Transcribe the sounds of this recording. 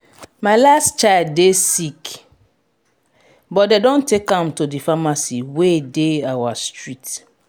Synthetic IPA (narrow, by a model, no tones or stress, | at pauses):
maɪlastt͡ʃaɪld̚ːesik | bɔt̚dedɔ̃ntekãmtodifamasiwedeawastɹit